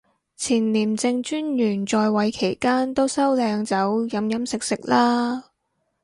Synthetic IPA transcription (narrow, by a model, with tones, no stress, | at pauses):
t͡sʰiː˨˩nliː˨˩mt͡sɪ˧ŋt͡ʃyː˥njyː˨˩nt͡sɔː˧jwɐ˨˧jkʰe˨˩jkaː˥nt̪o˥wsɐ˥wlɛː˧ŋt͡sɐ˨˥wjɐ˨˧mjɐ˨˥msɪ˨k̚sɪ˨k̚laː˥